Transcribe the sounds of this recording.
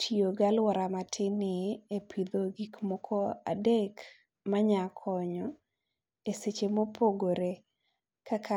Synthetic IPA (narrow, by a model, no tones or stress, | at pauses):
tʰioɡalwɔɾamatʰɪnɪepʰid̪oɡikmɔkʰɔa̰dek | maɲakʰɔɲɔ | eset͡ʃemopʰoɡoɾe | kʰakʰa